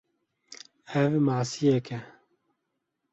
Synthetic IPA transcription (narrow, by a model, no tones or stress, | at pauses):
ɛvmaʕsijɛkɛ